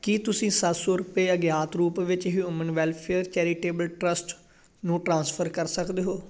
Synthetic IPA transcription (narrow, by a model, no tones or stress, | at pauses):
kiːt̪ʊsĩːsət̪sɔːɾʊpeːəɡjaːt̪ɾuːpʋɪt͡ʃɦiːʊmənʋɛːlpʰeːəɾt͡ʃɛːɾiːʈeːbəlʈɾəsʈ | nũːʈɾãːspʰəɾkəɾsəkd̪eːɦoː